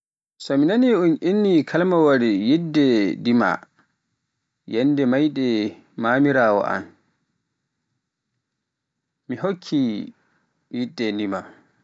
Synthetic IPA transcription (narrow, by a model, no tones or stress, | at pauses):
sɔminaniunʔinːikʰalmawaɾijidːɛdima̰ | jɛndɛmajɗɛ | mamiɾaːwɔ̰ʔa̰n | miɦokʰːi | jidːɛndima